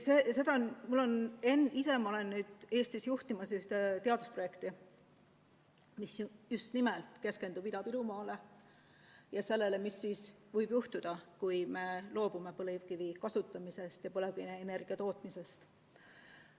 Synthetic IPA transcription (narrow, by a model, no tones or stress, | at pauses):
sese̞d̪ɑnmulːo̞nenise̞mɑole̞nːyːd̪̥e̞ːst̪isjuht̪imɑsyht̪et̪e̞ɑd̪̥uspro̞je̞kt̪i | misjust̪nimelt̪ˑke̞ske̞nd̪ub̥id̪ɑbilumɑːle | jɑse̞lːe̞le̞misːiːsvɤjb̥juht̪ud̪̥ɑkujme̞lo̞ːb̥ume̞pɤlivkivikɑsut̪ːˑɑmise̞st̪jɑpɤlek̪ene̞rɡ̥iɑt̪o̞ːt̪ˑmise̞st̪